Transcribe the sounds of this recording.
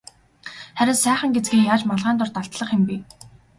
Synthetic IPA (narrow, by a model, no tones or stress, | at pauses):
χæɾʲɪ̆nsæːχə̆ŋɡet͡sɡiːŋjaːt͡ɕmaɮʁæːnt̪ʊrt̪aɬt̪ɮə̆χɪ̆mpi